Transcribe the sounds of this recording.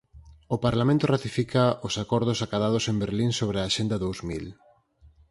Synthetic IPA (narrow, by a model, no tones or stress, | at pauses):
ʊpaɾlamẽnt̪ʊrat̪ifikaʔosakɔɾð̞ʊsakaðað̞ʊsembeɾliŋsoβɾɪaːʃend̪ɐðowzmil